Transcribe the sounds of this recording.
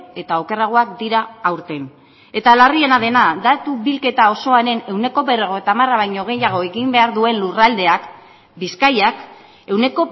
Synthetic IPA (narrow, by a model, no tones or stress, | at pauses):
e̞t̪ao̞ke̞raɣ̞o̞akd̪iɾaːwɾt̪e̞n | e̞t̪alarie̞naðe̞nad̪at̪uβilke̞t̪ao̞so̞aɾe̞ne̞wne̞ko̞βe̞reɣoet̪aːmaraβajɲo̞ɣ̞e̞jaɣ̞o̞e̞ɣimbe̞aɾðue̞nlurald̪e̞ak | biskajak | e̞wne̞ko̞